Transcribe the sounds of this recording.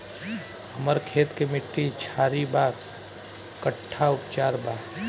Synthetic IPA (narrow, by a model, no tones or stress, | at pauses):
həməɾkʰeːt̪kemɪʈːit͡ʃʰaːɾibaːk | kːəʈʰːaʊpt͡ʃaːɾbaː